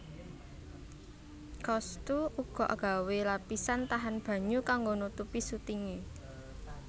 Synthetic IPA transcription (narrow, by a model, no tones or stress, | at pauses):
kɔst̪uuɡ̥ɔ̤ʔaɡ̥a̤welapisant̪aɦanb̥ä̤ɲukaŋɡonut̪upisut̪iŋe